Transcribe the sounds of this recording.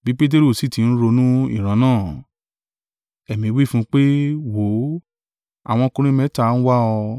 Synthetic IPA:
bi˦k͡pe˦t̬e˦ɾo˦˨si˦˨ti˨˧ñ̩˦ɾo˧nũ˦ḭ˦˨ɾ̃ã˨˧˦nãː˦˨ | ɛ˨mĩ˧wi˦fũ˦k͡pe˦wo˨˦ | a̰˦˨w̃ɔ̃˧kũ˧ɾ̃ĩ˦mɛ̃˦ta˧˨˦n̩˦wa˦ɔ˧

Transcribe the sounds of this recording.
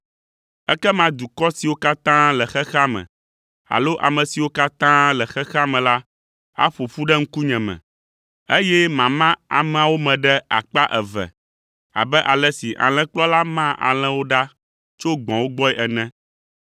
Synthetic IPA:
ɛ˦kɛ˦mã˦d̪u˨kɔ˦si˨wo˦ka˦t̪ã˦lɛ˨xɛ˦xa˦mɛ̰̃˨ | a̰˨lo˦ʔa̰˨mɛ̃˨si˨wo˦ka˦t̪ã˦lɛ˨xɛ˦xa˦mɛ̃˨la˦ | a̰˦ɸo˨fu˦ɖɛ˦ŋ̩˦ku˦ɲɛ̃˨mɛ̰̃˨ | e˦jɛ˦mã˨mã˦a˨mɛ̃˨a˨wo˦mɛ̃˨ɖɛ˦a̰˨k͡pa˦ʔɛ˨vɛ̰˨ | a̰˨bɛ˦ʔa˨lɛ˦si˨ʔa̰˨l̃ɛ̃˦k͡plɔ˦la˦mã˦ʔa̰˨l̃ɛ̃˦wo˦ɖa˦ | t͡ʃo˦ɡ͡bɔ̃˨wo˦ɡ͡bɔ˦ɛ˦ʔɛ˨nɛ̃˦

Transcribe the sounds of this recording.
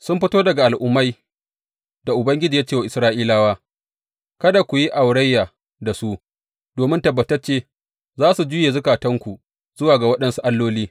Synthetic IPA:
sʊ˦mɸɪ˦toː˦dɐ˨ɡa˨ʔa˨lʔʊ˦mːa˦j | da˨ʔʊ˨bɐ˦ŋɡʲɪ˦d͡ʒiː˨jaː˦t͡ʃeː˦˨wa˨ʔɪ˨sɾaː˦ʔiː˦laː˦waː˦ | kɐ˦da˨kʷu˨ji˦ʔa˨wɽɐ˦jːaː˨ | da˨su˦ʔ | doː˨mɪ˦ntɐ˨bːɐ˨tɐ˦rt͡ʃeː˦ | zaː˦su˨d͡ʒʊː˦jeː˨zʊ˦kaː˨tɐ˦ŋkʷu˨ | z̥ʊ˦waː˨ɡa˨wɐ˦ɗɐ˦nsu˦ʔa˦lːoː˦liː˦

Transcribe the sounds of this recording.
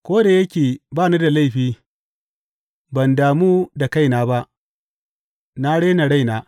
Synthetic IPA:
kʷoː˦da˨jɐ˦kʲeː˨baː˦˨ni˦da˨la˦jɸiː˦ | bɐ˨ndaː˨muː˦da˨ka˦jnaː˦ba˦ʔ | na˦ɽe˦na˨ɽa˦˨jnaː˦

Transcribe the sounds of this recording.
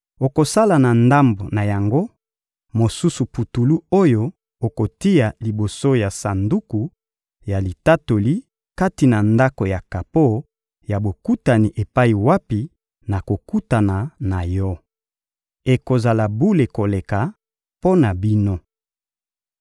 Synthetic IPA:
o˨ko˨sa˦la˨na˨nda˦mbo˨na˨ja˨ŋɡo˦ | mo˨su˦su˨pu˨tu˨lu˦o˦jo˦ | o˨ko˨ti˦ja˨li˨bo˨so˦ja˨sa˨ndu˦ku˨ | ja˨li˨ta˦to˨li˦ | ka˦ti˨na˨nda˦ko˨ja˨ka˨po˦ | ja˨bo˨ku˦ta˨ni˨ʔe˨pa˦i˨wa˦pi˨ | na˨ko˨ku˦ta˨na˨na˨jɔ˦ | e˨ko˨za˨la˨bu˦le˨ko˨le˨ka˨ | po˦na˨bi˦no˦

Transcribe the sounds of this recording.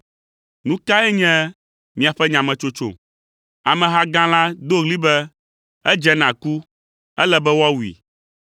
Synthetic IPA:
nũ˦ka˦ɛ˦ɲɛ̃˦ | mĩ˨a˨ɸɛ˦ɲã˨mɛ̃˨t͡ʃo˦t͡ʃo̰˨ | a˨mɛ̃˨ɦa˦ɡã˦la˦d̪o˦ɣli˦bɛ˦ | ɛ˦d͡ʒɛ˦nã˨ku˦ | ɛ˦lɛ˦bɛ˦wa˦wu˨ḭ˨

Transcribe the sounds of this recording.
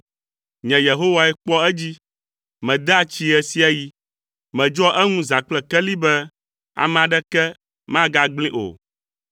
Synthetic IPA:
ɲɛ̃˨je˨ɦo˦wa˦ɛ˦k͡pɔ˦ɛ˦d͡ʑi˦ | mɛ̃˨d̪ɛ˦a˦˨t͡ɕi˦ɛ˨si˦a˦ji˦ | mɛ̃˨d͡ʒɔ˦ʔɛ˦ŋũ˦za˨k͡plɛ˨kɛ˦li˦bɛ˦ | a̰˨mɛ̃˨a˨ɖɛ˦kɛ˦ | mã˦ɡa˦ɡ͡blĩ˦ʔo̰˨

